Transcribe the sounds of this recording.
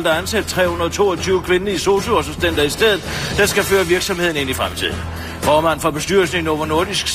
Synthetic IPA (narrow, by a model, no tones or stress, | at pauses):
ld̥ɑ̈ɐænsæd̥̚t͡sʰʁɛ̰ːhunɐð̩ˠt͡sʰo̝̰ːɒt͡sʰyːʊkʰʋe̝nəiso̝ːsoɒsɒ̽msd̥en̰d̥ɐisd̥eð̰ˠð̩ˠd̥ensɡ̥æføːɐʋiɐɡ̥sɒ̽mhe̝ð̞̰ˠn̩e̝n̰ifʁamt͡sʰḭð̞̰ˠn̩ | fɒːmæn̩fɒ̽b̥e̝sd̥yɐlsneŋn̩ɒʊʋɐno̝ɐd̥isɡ̥s